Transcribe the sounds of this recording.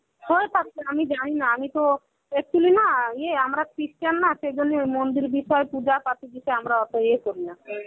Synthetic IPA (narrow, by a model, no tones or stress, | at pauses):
hoet̪akeamid͡ʒaɽ̃inaamit̪o | ɛk̚t͡ʃulinajeamɾakɾisʈanːaʃed͡ʒonːemond̪iɾbiʃɔepud͡ʒapat̪id̪iʃeamɾaɔt̪oekoɾina